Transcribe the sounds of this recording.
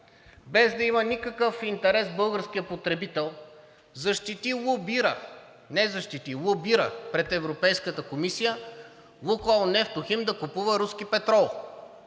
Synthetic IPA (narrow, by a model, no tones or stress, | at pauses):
bɛzd̪ɐimɐnikəkɤfint̪ɛɾɛsbɤlˠɡəɾskijəpot̪ɾɛbit̪ɛlˠ | zɐʃt̪it̪ilˠubiɾə | nɛzɐʃt̪it̪ilˠubiɾəpɾɛt̪ɛvɾopɛjskət̪əkomisijə | lˠukalˠnɛft̪oximd̪ɐkupuvɐɾuskipɛt̪ɾɔlˠ